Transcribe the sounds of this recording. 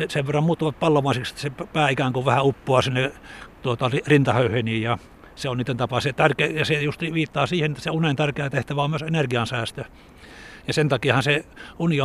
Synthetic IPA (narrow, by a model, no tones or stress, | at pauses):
eseʋerːɑmmuːt̪ːuʋɑt̪̚pɑlːomɑˑisekst̪seppæːikæːŋkoʋæhæupːoɑsinːet̪uot̪ɑrirint̪ɑhøyheniːjɑ | seoniːt̪ːent̪ɑpɑset̪ærkejɑsejust̪iʋiːt̪ːɑːsiːhenet̪ːæ̥seunent̪ærkeæt̪eht̪æʋæomyøsenerɡiɑnsæːst̪ø | jɑsent̪ɑkiɑhɑnseunio